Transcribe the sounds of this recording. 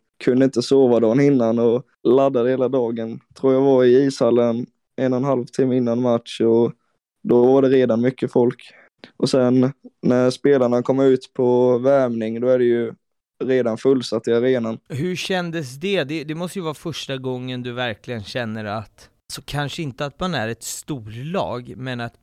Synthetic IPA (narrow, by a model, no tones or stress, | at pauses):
kʰɵnd̪əɪnt̪əsoːvad̪ɑːnɪnːanɔ | lad̪ːad̪ɛheːlad̪ɑːɡənt̪ʰɾuːjavaɾɪiːshalːən | ɛnːɔnɦalvt̪ʰɪmːəɪnːanmat̪ʂɔ | d̪ɔvaɖɛɾeːd̪anmʏkːəfɔlk | ʔɔsɛnːæɾspeːlaɳakʰɔmːʉ̟ːt̪pʰɔvæɾmnɪŋd̪ɔæɖɛjɵ | ɾeːd̪anfɵlːsat̪ːɪaɾeːnanɦɵɕɛnd̪əsd̪ɛd̪ɛd̪ɛmɔst̪əjəvɑːfœʂʈaɡɔŋːənd̪ɵvæɾklɪɡənɕɛnːəɾat̪ | sɔkʰanʂəɪnt̪əat̪manæɾɛt̪st̪uːɾlɑ̰ːɡmɛnat̪